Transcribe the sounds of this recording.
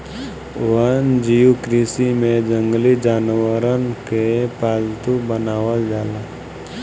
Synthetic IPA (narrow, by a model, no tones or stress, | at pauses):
ʋənd͡ʒijukɾisimẽd͡ʒə̃ŋɡlid͡ʒaːnwəɾənkepaːd͡ʒt̪ubənaːwəld͡ʒaːlaː